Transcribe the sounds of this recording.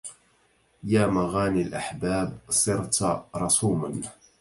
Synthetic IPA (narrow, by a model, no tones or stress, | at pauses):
jaːmaɣaːnilʔaħbaːbsˤɨɾt̪ɾˤɑsuːman